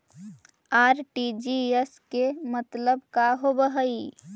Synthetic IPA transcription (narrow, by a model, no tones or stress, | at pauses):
aːɾʈid͡ʒieskemət̪ləb̚kaɦobəɦəi